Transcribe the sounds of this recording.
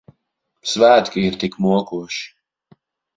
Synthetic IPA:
psvæːt̪kiːɾt̪ikmuɔkuːʃ

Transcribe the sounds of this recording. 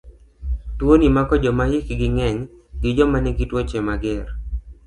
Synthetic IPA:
twonimakɔd͡ʒɔmajekɡɪŋɛɲ | ɡɪd͡ʒɔmanɛɡitwot͡ʃɛmaɡɛr

